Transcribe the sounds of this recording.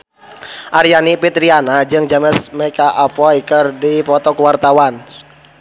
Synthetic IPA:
ʔaɾjanipit̪ɾianad͡ʒɨŋd͡ʒaməsmɛkaʔapɔikərdipɔt̪ɔkəwart̪awan

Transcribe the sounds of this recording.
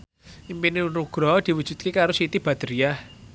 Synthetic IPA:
impiniunuɡ̥ɾɔd̪̥i̤wud̥ʒ̥ṳt̪̚kekaɾosit̪ib̥a̤d̪̥əɾiah

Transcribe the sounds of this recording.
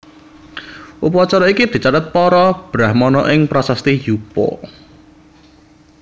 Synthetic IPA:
ʔupuwɔt͡ʃɔɾɔikid̪̥i̤t͡ʃat̪ət̪̚pɔɾɔb̥ɾahmɔnɔʔɪŋpɾɔsast̪ijupɔ̰

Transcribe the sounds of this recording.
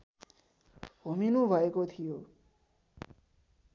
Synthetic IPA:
ɦominũbʱʌekot̪ʰijo

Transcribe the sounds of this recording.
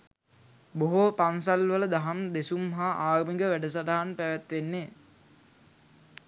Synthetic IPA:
boɦopans̬alʋələd̪aɦamd̪esumːaɦaʔaːrmiŋɡəʋæɖəs̬adaɦanpæʋæt̪ʋenːe

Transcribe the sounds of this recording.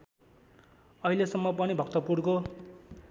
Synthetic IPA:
ʌɦilesʌmːʌpʌnibʱʌkt̪ʌpurko

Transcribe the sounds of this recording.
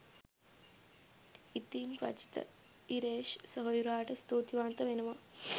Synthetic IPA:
it̪ːiːnpɾɐ̰t͡ʃi̥t̪ɐ̰ | iɾeːʃsɐɦɐjuɾaːʈɐst̪oːt̪iʋaːnt̪ɐʋenɐʋɐ

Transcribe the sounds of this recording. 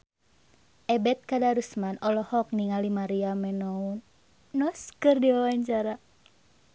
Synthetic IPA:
ʔɛbɛt̪̚kadaɾusmanɔlɔhɔk̚niŋalimaɾiamɛnɔunː | ɔskɨrdiwawaɲt͡ʃaɾa

